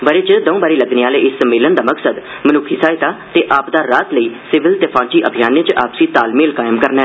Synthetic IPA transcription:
ʋəɾeːt͡ʃd̪ɔũbaːɾiːləɡneːaːleːʔɪsəmeːlənd̪aːməksəd̪ | mənʊkʰiːsaːɪt̪aːt̪eːʔaːpd̪aːɾaːt̪ləiːsɪʋɪlt̪epʰãːt͡ʃiːʔəbʱijaːnːẽːt͡ʃʔaːpsiːt̪aːlmeːlkaːjɪmkəɾnaɛ

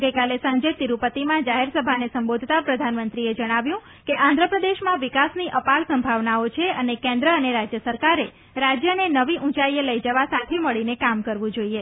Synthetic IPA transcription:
ɡəjkalesãɲd͡ʒet̪iɾupət̪imãd͡ʒaɦeɾsəbʱanesəmbod̪ʱt̪apɾəd̪ʱanmənt̪ɾied͡ʒəɽ̃aʋjũ | keʔãnd̪ʱɾəpɾəd̪eʃmãʋɪkasniʔəpaɭsəmbʱaʋnaot͡ʃʰeənekɛ̃nd̪ɾəəneɾad͡ʒjəsəɾkaɾe | ɾad͡ʒjənenəʋiʔũt͡ʃaieləid͡ʒəʋasat̪ʰeməɭinekamkəɾʋũd͡ʒoie

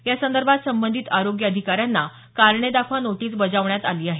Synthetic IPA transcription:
jasənd̪əɾbʱat̪səmbənd̪ʱiːt̪aɾoɡjəəd̪ʱikaɾjanːa | kaɾɳed̪akʰʋanoʈiːsbəd͡zaʋɳjat̪aliːaɦe

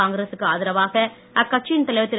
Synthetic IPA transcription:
aːŋɡɾeːsɯkːɯaːðɪɾɐʋaːɣɐ | ɐkːɐʈ̚t͡ʃːint̪ɐlɐɪʋɐt̪ːɪɾ

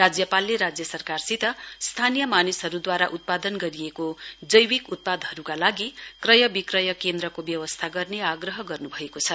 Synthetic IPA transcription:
rad͡zjʌpalːeɾad͡zjʌsʌrkarsit̪ʌst̪ʰanijʌmanisɦʌɾud̪waɾaʔut̪̚pad̪ʌnɡʌɾiekod͡zʌjwikut̪̚pad̪ɦʌɾukalaɡikrʌjʌbikrʌjʌkend̪ɾʌkobjʌwʌst̪ʰaɡʌrneaɡrʌɦʌɡʌrnubʱʌekot͡sʰʌ

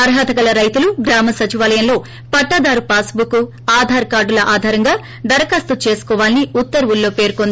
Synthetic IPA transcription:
ɐɾɦaːt̪ɐɡɐlɐɾɐjt̪uluɡɾaːmɐsɐt͡ʃiʋaːlɐjɐnlo̞ː | pɐʈːɐd̪aːɾupaːsbuku | aːd̪ʱaːɾkaːɾɖulɐʔaːd̪ʱaːɾɐŋɡaː | ɖ̪ɐɾɐkaːst̪ut͡ʃe̞ːsu̥kɔːʋaːliniut̪ːɐɾɐʋulːo̞ːpe̞ːɾukond̪ii

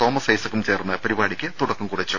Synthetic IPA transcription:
t̪o̞ːmɐsɐjsɐkːumt͡ɕe̞ːrnːɨpɐɾibaːɽikʲːɨt̪uɽɐkːumkuɽɐt͡ɕːu

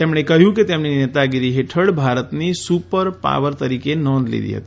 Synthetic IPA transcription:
t̪emɽ̃ekəɦjũket̪emninet̪aɡiɾiɦeʈʰəɽbʱaɾət̪nisupəɾpa̰ʋəɾt̪əɾikenɔnd̪lḭd̪ḭɦə̰t̪i̥

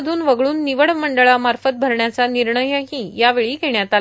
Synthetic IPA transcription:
d̪ʱuːnʋəɡɭuːnːiʋəɽməɳɖəɭamaɾfət̪̚bʱəɾɳjat͡saniɾɳəjəɦĩjaʋeɭiːɡʱeɳjat̪a

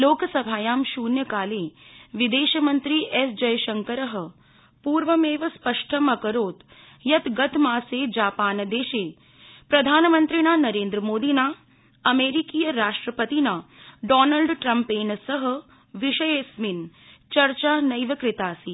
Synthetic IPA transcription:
loːkəsɐbʱaːjaːmʃuːnjəkaːleːʋid̪eːʃɐmɐnt̪ɾiːʔesd͡ʒɐjʃɐŋkəɾəɦə̆ | puːɾʋəmeːʋɐspəʂʈʰəmɐkəɾoːt̪ | jɐt̪ɡɐt̪maːseːd͡ʒaːpaːnd̪eːʃeː | pɾɐd̪ʱaːnmɐnt̪ɾinaːnɐɾẽːnd̪ɾəmoːd̪iːnaː | ɐmeːɾikiːjəɾaːʂʈɾəpət̪inaːɖɔːnəlɖʈɾɐmpeːnsɐɦɐ̆ | ʋiʃɐjeːsmin | t͡ʃɐɾt͡ʃaːnɐjʋɐkɾɪt̪aːsiː

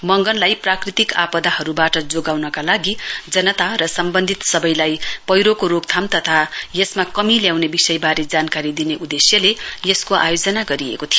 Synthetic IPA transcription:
mʌŋɡʌnlajprakrit̪ikapʌd̪aɦʌɾubaʈʌd͡zoɡawnʌkalaɡid͡zʌnʌt̪arʌsʌmbʌnd̪ʱit̪sʌbʌjlajpʌjɾokoɾoɡ̚t̪ʰamt̪ʌt̪ʰajesmakʌmiljawnebisʌjbaɾed͡zankaɾid̪ineʔud̪esjʌlejeskoʔa̰jod͡zʌnaɡʌɾiḛkot̪ʰij

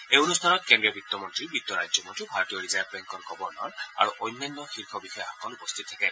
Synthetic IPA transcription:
eunust̪ʰanɔt̪̚kendɹiɔbit̪ːɔmɔntɹibit̪ːɔɹajzɔmɔntɹibʱaɹɔt̪ijɔɹizajb̚bɛŋkɔɹɡʱɔbɔɹnɔ̰ɹa̰ɹuʔɔjnːanːɔxiɹkʰɔbixɔjɔxɔkɔlupɔst̪ʰit̪̚ːʰakɛ

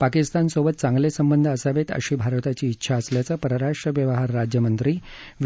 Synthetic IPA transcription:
pakist̪ansobət̪̚t͡sãŋɡlesəmbənd̪ʱəəsaʋet̪ə̰ɕiːbʱaɾʋt̪at͡ɕiːtːɕʰaəsljat͡səpəɾəɾaʂʈɾəʋjəʋəɦaɾːad͡ʑjəmənt̪ɾiː | ʋ

